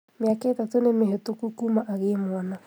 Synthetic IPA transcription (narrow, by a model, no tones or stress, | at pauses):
meakaetatonemeɦetokukumaʔaɣemwana